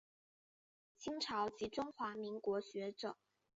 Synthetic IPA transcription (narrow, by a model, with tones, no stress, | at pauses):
t͡ɕʰi˥ŋʈ͡ʂʰɑ˧˥ʊt͡ɕi˧˥ʈ͡ʂʊ˥ŋxwa˧˥mi˧˥ŋkwɔ˧˥ɕɥɛ˧˥ʈ͡ʂɤ˨˩˦